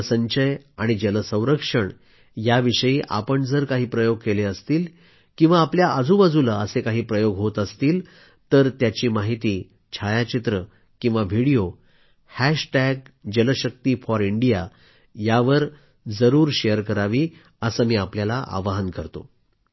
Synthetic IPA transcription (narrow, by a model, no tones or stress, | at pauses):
səɲɕəjaɽ̃id͡ʑələsə̃w̃ɾəkʂəɳ | jaʋiʂəjiːʔa̰pəɳd͡zəɾkaɦiːpɾəjoɡ̚keleəst̪iːl | kĩw̃ʋaːpljaəd͡zʱũbad͡zuləəsekaɦiːpɾəjoɡɦot̪əst̪iːl | t̪əɾt̪jat͡ɕiːmaɦit̪iː | t͡ɕʰajat͡ɕit̪ɾə | kĩw̃ʋaʋ̤ʱiɽijo | hæɕʈæɡ̚d͡ʑələɕək̚t̪iːfɔɾiɳɖija | jaʋəɾ | d͡zəɾuːɾɕejəɾkəɾaʋiː | əsəmiːapljalaʔa̰ʋaɦənkəɾt̪o̰